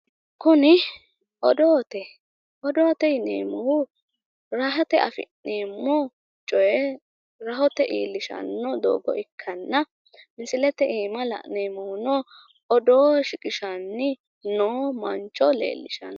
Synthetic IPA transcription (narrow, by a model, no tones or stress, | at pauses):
kʊnɪ | ʔɔd̪oːt̪ɛ | ɔd̪oːt̪ɛɪnḛːmɔhʊ | ɾɐɦɐt̪ɛʔɐfɪ̰nːeːmːɔ | t͡ʃʼɔjɛ | ɾɐɦɔt̪ɛʔiːlːɪʃɐ̰nːɔd̪o̰ːɡɔ̰ʔɪkʰːɐnːɐ | mɪsɪlɛt̪ɛʔiːmɐlɐ̰ʔneːmɔwʊnɔ | ɔd̪oːʃɪkʼɪʃɐnːɪ | noːmɐnt͡ʃʼɔlḛːlːɪʃɐ̰n